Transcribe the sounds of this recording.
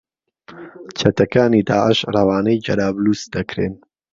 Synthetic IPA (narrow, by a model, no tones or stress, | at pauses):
t͡ʃʰɐt̪ɐkaːniːd̪aːʔəʃrˤɐwaːnɐjd͡ʒɐɾaːbluːsd̪ɐkɾeːn